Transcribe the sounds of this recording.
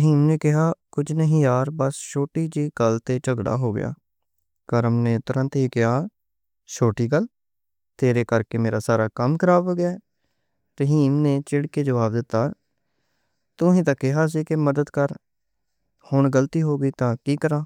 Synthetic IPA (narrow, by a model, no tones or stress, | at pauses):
əɦiːmneːkɪɦaːkʊd͡ʒnəɦĩːjaːɾbəst͡ʃʰoːʈiːd͡ʒiːɡəlt̪eːt͡ʃəɡɽa̰ːɦoːɡɪ̰ja̰ː | kəɾəmneːt̪ʊɾə̃nt̪ɦiːkɪɦaː | t͡ʃʰoːʈiːɡəl | t̪eːɾeːkəɾkeːmeːɾaːsaːɾaːkəmkʰəɾaːboːɡɪjaː | ɾəɦiːmneːt͡ʃɪɽkeːd͡ʒəʋaːbd̪ɪt̪ːaː | t̪ʊsĩːt̪̬ãːkɪɦaːs̬iːkɪməd̪əd̪kəɾ | hʊɳɡəlt̪iːɦoːɡiːt̪ãːkiːkəɾãː